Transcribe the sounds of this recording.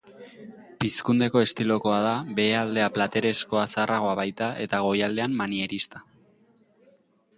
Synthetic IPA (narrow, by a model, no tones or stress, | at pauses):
piskund̪e̞ko̞e̞st̪ilo̞ko̞að̞aβe̞ald̪e̞aplat̪e̞ɾe̞sko̞asaraɣo̞aβajt̪aʔe̞t̪aɣ̞o̞jald̪e̞ammanie̞ɾist̪ḁ